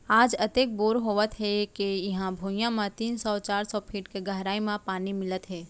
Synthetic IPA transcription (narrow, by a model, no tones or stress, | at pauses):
aːd͡ʒɐt̪eːk̚boːɾɦoːʋət̪ɦɛkejɐɦãbʱuːjãmãt̪iːnsɔːt͡ʃaːɾsɔpʰiːʈkeɡɐɦɾaːimãpaːnimɪlət̪ɦɛː